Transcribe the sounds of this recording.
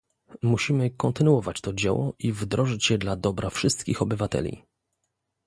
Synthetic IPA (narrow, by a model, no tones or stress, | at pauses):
muɕimɘkɔnt̪ɘnuwɔvat͡ɕt̪ɔd͡ʑɛwɔʔivd̪ɾɔʐɘt͡ɕjɛd̪lad̪ɔbɾʔafʂɘst̪kʲixɔbɘvat̪ɛ̰lʲḭ